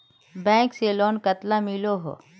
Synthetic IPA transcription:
bɛ̃ːkseloːnkət̪lamɪloɦo̰ː

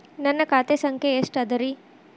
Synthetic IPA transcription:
nɐnːɐkaːt̪esɐŋkʰeeʂʈɐd̪ɐɾi

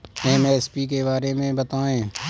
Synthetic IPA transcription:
ɛ̃ːmeːspik̬ebaːɾemẽbɐt̪aːẽː

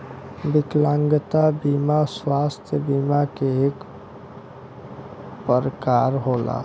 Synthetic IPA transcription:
bɪklãŋɡət̪abimaswast̪ʰjəbimakeek | pəɾəkaɾɦola̰

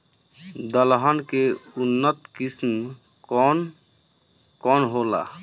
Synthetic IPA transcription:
d̪əlɦənkeunːət̪kism | kɔn | kɔnɦola̰

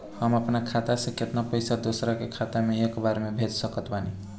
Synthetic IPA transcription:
həməpnakʰat̪asʌ̃ket̪napəjsad̪osɾakekʰat̪ameekbaɾemebʱet͡ʃsəkʌt̪bani

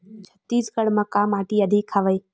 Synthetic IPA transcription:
t͡ʃʰɐ̥t̪iːskəɽmãkaːmaːʈiɐd̪ʱikʰːaʋəiː

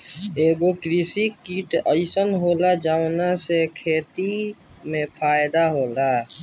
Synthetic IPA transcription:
eːɡokɾisikiʈəɪsənɦoːlad͡ʒaːʊnasekʰeːt̪i | mẽpʰaːjd̪aɦoːla

